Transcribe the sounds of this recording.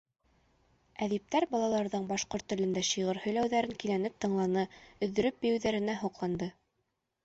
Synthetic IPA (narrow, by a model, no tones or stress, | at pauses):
æðip̚t̪æɾbɑlˠɑlˠɑɾðɤɴbɑʃqoɾt̪ːɵ̆lɘ̆nd̪æʃiʁɤɾhɵ̆jlæwðæɾɘŋkilænɘp̚t̪ɤ̆ɴlˠɑnɤɵ̆ðːɵ̆ɾɵp̚bɘ̆jɘ̆wðæɾɘ̆næɦuqlˠɑnd̪ɤ